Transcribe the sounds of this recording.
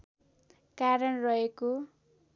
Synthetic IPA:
kaɾʌnrʌɦeko

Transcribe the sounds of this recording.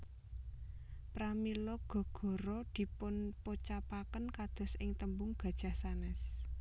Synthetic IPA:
pɾamilɔɡ̥ɔ̤ɡ̥ɔ̤ɾɔd̪̥i̤pʊnpot͡ʃapakənkad̪̥ɔ̤sɪŋt̪əmbʊŋɡ̥a̤d̥ʒ̥a̤sanɛs

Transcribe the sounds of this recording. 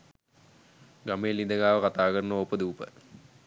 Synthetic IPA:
ɡameːlːid̪əɡaːʋəkat̪aːkəɾnʋopːəd̪uːpə̰

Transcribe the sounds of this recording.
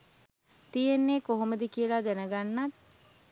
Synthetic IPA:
t̪ijenːeːkoɦoməd̪ikijəlad̪ænəɡanːat̪̚

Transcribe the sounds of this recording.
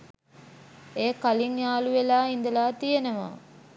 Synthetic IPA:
eːkaliŋjaːluʋelaːind̪əlaːt̪ijenəʋa̰ː

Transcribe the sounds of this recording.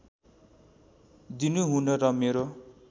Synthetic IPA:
d̪inuɦunʌɾʌmeɾo

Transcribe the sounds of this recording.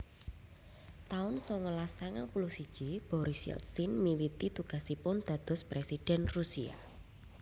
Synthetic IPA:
t̪aʊnsɔŋəlasaŋa̰npulʊsid̥ʒ̥ib̥ɔɾɪsjɛ̰lt̪sɪnmiwit̪it̪uɡ̥a̤sipʊnd̪̥ä̤d̪̥ɔ̤spɾesid̥ɛ̤nrusia̰

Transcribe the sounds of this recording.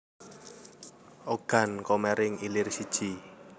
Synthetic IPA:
ʔoɡ̥a̤nkɔmɛɾɪŋilɪrsid̥ʒ̥i

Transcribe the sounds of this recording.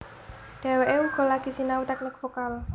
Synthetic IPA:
ɖ̥a̤weʔeuɡ̥ɔ̤laɡ̥i̤sinaut̪akləkfokal

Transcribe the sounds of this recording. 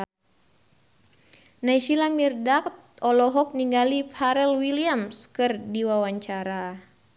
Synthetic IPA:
naiʃilamirdakt̪̚ | ɔlɔɦɔk̚niŋɡalipʰaɾɛlwiliamskɨrdiwawaɲt͡ʃaɾa

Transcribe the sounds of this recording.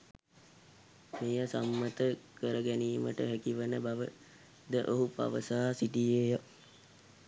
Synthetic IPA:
meːjəsamːət̪əkəɾəɡæniːmə̰ʈə̰ɦækiʋənəbaʋə | d̪əʔoɦupa̰ʋəsaːsiʈijeːjə

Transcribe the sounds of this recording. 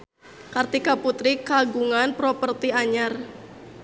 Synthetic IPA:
kart̪ikaput̪ɾikaɡuŋanpɾɔpərt̪iaɲar

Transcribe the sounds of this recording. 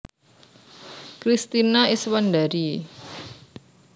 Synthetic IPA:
kɾist̪inaiswand̪aɾi

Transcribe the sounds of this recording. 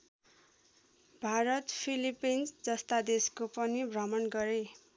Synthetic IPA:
bʱaɾʌt̪pʰilipinsd͡zʌst̪ad̪eskopʌnibrʌmʌnɡʌɾe

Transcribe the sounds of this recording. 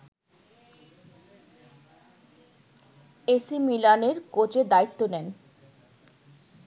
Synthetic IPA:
esimilaneɾkot͡ɕed̪ait̪ːonɛn

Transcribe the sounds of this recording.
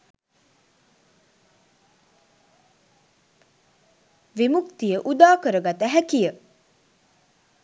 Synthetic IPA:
ʋemukt̪ijəʔud̪aːkəɾəɡat̪əɦækijə

